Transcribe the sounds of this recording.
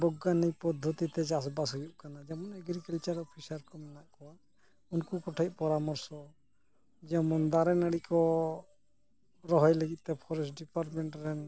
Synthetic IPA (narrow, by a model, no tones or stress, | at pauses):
bɔɡːanɛjpɔd̪ʱːɔt̪it̪ɛd͡ʒas̬basɦujuʔkanad͡ʒɛmɔnəɡɾikəlt͡ʃaɾɔpʰisaɾkɔmɛnaʔkɔwa | unkukɔʈʰac̚pɔɾamɔɾsɔ | d͡ʒɛmɔnd̪aɾɛnəɽikɔ | ɾɔɦɔjləɡit̪̚t̪ɛpʰɔɾɛsɖipaɾʈmɛɳʈɾɛn